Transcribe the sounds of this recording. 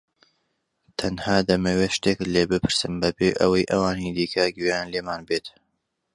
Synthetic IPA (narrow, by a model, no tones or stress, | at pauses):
t̪ʰɐnhaːd̪ɐmɐweʃt̪ekleːbɨpʰɨɾsɨmbɐbeʔɐwɐjʔɐwaːnid̪iːkʰɐɡyanleːmaːnbet̪